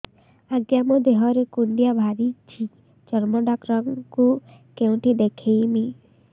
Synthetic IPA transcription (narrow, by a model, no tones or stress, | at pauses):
aɡjamɔd̪eɦɔɾekuɳɖijabʱaɾit͡ʃʰi | t͡ʃɔɾmɔɖakɾɔŋku | keũʈid̪ekʰejmi